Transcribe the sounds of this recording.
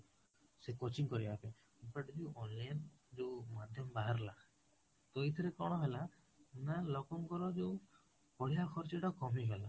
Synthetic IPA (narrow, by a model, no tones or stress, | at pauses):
sekot͡ʃiŋkɔɾibape | peʈd͡ʒeuʔɔnlajnd͡ʒewmad̪ʱjɔmbaɦaɾla | t̪ojt̪ʰɔɾekɔɽ̃ɔɦela | nalɔkɔmkɔɾɔd͡ʒeu | pɔɽ̤ijakʰɔɾt͡ʃiʈɔkɔmiɦela